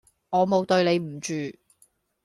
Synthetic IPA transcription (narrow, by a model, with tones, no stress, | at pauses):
ŋɔː˨˧mo˨wt̪ɵ˧ɥne˨˧jm̩˨˩t͡ʃyː˨